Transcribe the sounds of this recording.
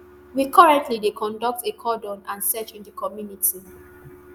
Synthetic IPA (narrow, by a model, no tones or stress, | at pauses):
wikɔɹɛ̃ntlidekʰɔ̃ndɔk̚tekʰɔdɔ̃nãnsɛt͡ʃĩndəkʰɔmjunitʰi